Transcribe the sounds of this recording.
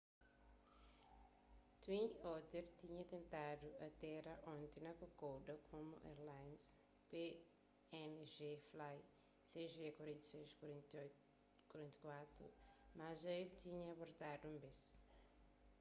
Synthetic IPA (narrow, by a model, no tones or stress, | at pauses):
t̪wĩnot̪eɾt̪iɲɐt̪ẽnt̪ad̪uɐt̪ɛɾɐʔõnt̪enɐkokowd̪ɐkʰõmṵʔḛɾlãjns | pe | ɛnʒeflaj | seʒekwɐɾẽnt̪ɐsejʃ | kwɐɾẽnt̪ɐkwat̪ɾṵmazɐelt̪iɲɐɐboɾt̪ad̪uũmbes